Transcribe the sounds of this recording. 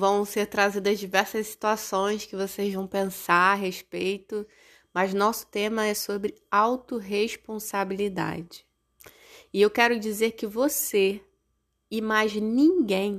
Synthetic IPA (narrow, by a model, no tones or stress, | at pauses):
vɐ̃w̃seɾt̪ɾazid̪ɐzd͡ʒivɛɾsɐssi̥t̪uasõj̃skɪvosezvɐ̃w̃pẽsaɾaɦeʃpejt̪ʊ | mɐznɔsʊ̥t̪ẽmɐɛsobɾɪawt̪ʊɦeʃpõsabilid̪a̰d͡ʒɪ | ɪewkɛɾʊd͡ʒizeɾkɪvose | ɪmajznĩɡẽj̃